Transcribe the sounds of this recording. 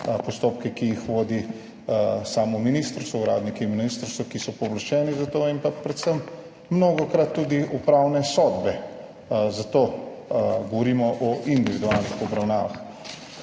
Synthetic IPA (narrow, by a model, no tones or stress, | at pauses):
pɔst̪oːp̚kɛkijixʋoːd̪i | saːmɔminiːst̪ɾst̪ɔuɾa̰ːd̪nikɛiminist̪ɾst̪ʋɔkisɔpɔʋlaʃt͡ʃɛːnizat̪oːimpapɾɛt̪səmː | noɡɔkɾat̪ːuːd̪iʔupɾawnɛsɔd̪bɛ | zat̪oː | ɡɔʋɔɾiːmɔʔɔʔind̪iʋid̪ualnixɔbɾawnaːʋa̰x